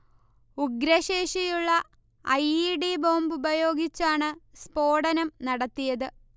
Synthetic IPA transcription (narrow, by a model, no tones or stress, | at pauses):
uɡɾɐɕeːʂijuɭːɐ | ɐjiɖibo̞ːmbubɐjo̞ːɡit͡ɕːaːɳɨspo̞ːɽɐnɐmnɐɽɐt̪ːijɐðɨ